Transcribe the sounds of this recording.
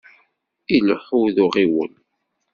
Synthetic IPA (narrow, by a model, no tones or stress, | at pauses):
ilħuðʊʁiwə̰n